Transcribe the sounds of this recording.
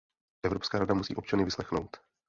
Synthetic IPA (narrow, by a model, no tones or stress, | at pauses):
ʔɛvɾo̞pskaːɾadamusḭːʔo̞pt͡ʃanɪvɪslɛxno̞̰wt̪